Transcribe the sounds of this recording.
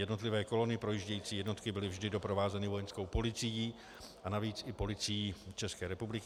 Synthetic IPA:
jɛdno̞t̪lɪvɛːko̞lo̞nɪpɾo̞jiʒɟɛjiːt͡siːjɛdno̞t̪kɪbɪlɪvʒdɪdo̞pɾo̞vaːzɛnɪvo̞jɛnsko̞wpo̞lɪt͡sɪjiː | ʔanaviːt͡sɪpo̞lɪt͡sɪjiːt͡ʃɛskɛːɾɛpublɪk

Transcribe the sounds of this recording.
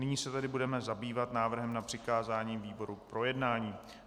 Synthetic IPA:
nɪɲiːsɛt̪ɛdɪbudɛmɛzabiːvat̪naːvr̩ɦɛmnapr̥ɪkaːzaːɲiːmviːbo̞ɾupɾo̞jɛdnaːɲiː

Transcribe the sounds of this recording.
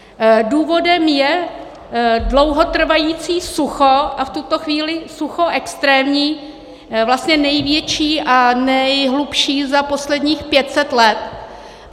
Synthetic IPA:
duːvo̞dɛmjɛ | dlo̞wɦo̞t̪r̩vajiːt͡siːsuxo̞ʔaft̪ut̪o̞xviːlɪsuxo̞ʔɛkst̪ɾɛːmɲiː | vlast̪ɲɛnɛjvjɛt͡ʃiːʔanɛjɦlupʃiːzapo̞slɛdɲiːxpjɛt̪sɛt̪lɛt̪

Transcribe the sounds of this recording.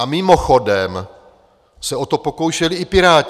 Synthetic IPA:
mɪmoxodɛm | sɛot̪o̞poko̞wʃɛlɪɪpɪɾaː

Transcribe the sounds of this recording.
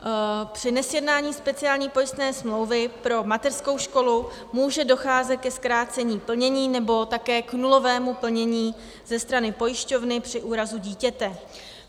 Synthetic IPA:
pr̥ɪnɛsjɛdnaːɲiːspɛt͡sɪaːlɲiːpo̞jɪst̪nɛːsmlo̞wvɪpɾo̞mat̪ɛrsko̞wʃko̞lu | muːʒɛdo̞xaːzɛt̪̚kɛskɾaːt͡sɛɲiːpl̩ɲɛɲiːnɛbo̞t̪akɛːknulo̞vɛːmupl̩ɲɛɲiː | zɛst̪ɾanɪpo̞jɪʃco̞vnɪpr̥ɪʔuːɾazuɟiːcɛt̪ɛ

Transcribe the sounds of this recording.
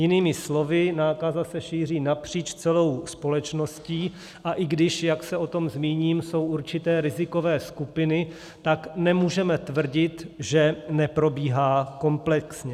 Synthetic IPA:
jɪniːmɪslo̞vɪnaːkazasɛʃiːr̝iːnapr̝̥iːt͡ʃt͡sɛlo̞wspo̞lɛt͡ʃno̞sciː | ʔaʔɪɡdɪʃjaksɛo̞t̪o̞mzmiːɲiːmso̞wʔuɾt͡ʃɪt̪ɛːɾɪzɪko̞vɛːskupɪnɪ | t̪aknɛmuːʒɛmɛt̪vr̩ɟɪt̪ʒɛnɛpɾo̞biːɦaːko̞mplɛksɲɛ

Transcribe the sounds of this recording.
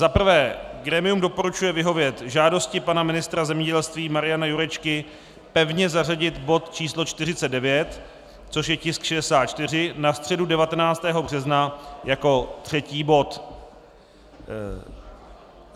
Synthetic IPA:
zapr̩vɛːɡɾɛːmɪumdo̞po̞ɾut͡ʃujɛvɪɦo̞vjɛt̪ʒaːdo̞scɪpanamɪnɪst̪ɾazɛmɲɛɟɛlst̪viːmaɾɪjanajuɾɛt͡ʃkɪ | pɛvɲɛzar̝aɟɪt̪bo̞t̪t͡ʃiːslo̞t͡ʃt̪ɪrɪt͡sɛt̪dɛvjɛt̪ | t͡so̞ʃjɛcɪskʃɛdɛsaːt̪̚t͡ʃt̪ɪr̝ɪnast̪r̥ɛdudɛvat̪ɛnaːt͡st̪ɛːɦo̞br̝ɛznajako̞t̪r̝̥ɛciːbo̞t̪

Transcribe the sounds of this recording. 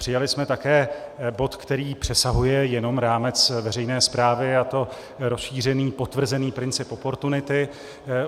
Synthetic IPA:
pr̥ɪjalɪsmɛt̪akɛːbo̞t̪kt̪ɛɾiːpr̝̥ɛsaɦujɛjɛno̞mɾaːmɛt͡svɛrɛjnɛːspɾaːvɪat̪o̞ | ɾosʃiːr̝ɛniːpo̞t̪vr̩zɛniːpɾɪnt͡sɪpʔo̞po̞ɾt̪unɪt̪ɪ

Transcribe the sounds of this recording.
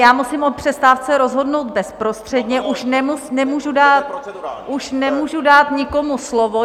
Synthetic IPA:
jaːmusɪmʔot̪̚pr̝̥ɛst̪aːft͡sɛɾozɦo̞dnowt̪̚bɛspɾo̞st̪r̥ɛdɲɛʔuʃnɛmunɛmuːʒudaːt̪ʔuʃnɛmuːʒudaːt̪ɲɪko̞muslovo

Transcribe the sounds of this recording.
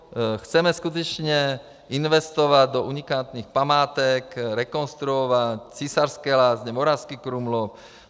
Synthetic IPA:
xt͡sɛmɛskut̪ɛt͡ʃɲɛ | inʋɛst̪ɔʋaɟd̪ɔʔuɲikaːt̪nixpamaːt̪ɛkɾɛkɔnst̪ɾuɔʋact͡sisaɾskɛːlaːzɲɛmɔɾaskikɾumlɔp̚

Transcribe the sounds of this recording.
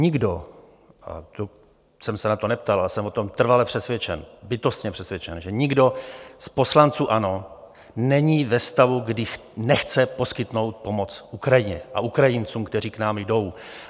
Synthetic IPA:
ɲɪɡdo̞ | a̰t̪o | sɛmsɛnat̪onɛp̚t̪alasɛmvo̞t̪o̞mt̪r̩valɛpr̝̥ɛsvjɛt͡ʃɛnbɪt̪o̞st̪ɲɛpr̥ɛsvjɛt͡ʃɛnʒɛɲɪɡdo̞spo̞slant͡suːʔano̞ | nɛɲiːvɛst̪avuɡdɪ | nɛxt͡sɛposkɪt̪no̞wt̪̚po̞mo̞t͡sʔukɾajɪɲɛʔa̰ʔukɾajɪnt͡suːmkt̪ɛr̝iːknaːmjdo̞w

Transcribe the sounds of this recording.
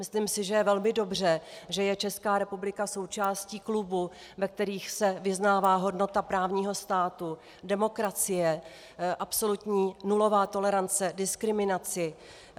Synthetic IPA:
mɪsliːmsɪʒɛjɛvɛlmɪdo̞br̝ɛʒɛjɛt͡ʃɛskaːɾɛpublɪkaso̞wt͡ʃaːsciːklubu | vɛk̚t̪ɛɾiːxsɛvɪznaːvaːɦo̞dno̞t̪apɾaːvɲiːɦo̞st̪aːt̪u | dɛmo̞kɾat͡sɪjɛ | ʔapso̞lut̪ɲiːnulo̞vaːt̪o̞lɛɾant͡sɛdɪskɾɪmɪnat͡sɪ

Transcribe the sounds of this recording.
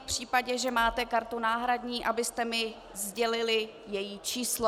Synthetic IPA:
pr̝̥iːpaɟɛʒɛmaːt̪ɛkaɾt̪unaːɦɾadɲiːʔabɪst̪ɛmɪ | zɟɛlɪlɪ | jɛjiːt͡ʃiːslo

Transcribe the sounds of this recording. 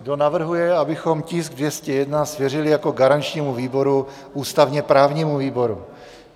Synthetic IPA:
ɡdo̞navr̩ɦujɛabɪxo̞mcɪsɡ̚dvjɛscɛjɛdnasvjɛrɪlɪjako̞ɡaɾant͡ʃɲiːmuviːbo̞ɾu | ʔuːst̪avɲɛpɾaːvɲimuviːbo̞ɾu

